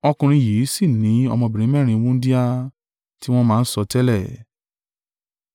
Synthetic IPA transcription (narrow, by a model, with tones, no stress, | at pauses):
ɔ˧kũ˧ɾ̃ĩ˧ji˨˦si˦˨nĩ˨˦ɔ˧mɔ̃˧bi˨ɾ̃ĩ˨˦mɛ̃˦˨ɾ̃ĩ˧˦wũ˦di˦a˧ | ti˦w̃ɔ̃˦mãː˦˧˦n̩˦sɔ˧tɛ˦lɛ˦˨